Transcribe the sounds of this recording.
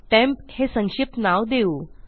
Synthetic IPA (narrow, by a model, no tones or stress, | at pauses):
ʈɛ̃mphesəŋɕip̚t̪naʋd̪eu